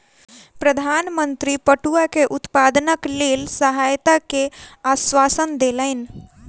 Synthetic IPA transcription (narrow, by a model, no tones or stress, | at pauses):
pɾəd̪ʱaːnmə̃nt̪ɾipəʈuakeʔʊt̪paːd̪nəkleːlsəɦaːjt̪akeaːswaːsənd̪eləɪn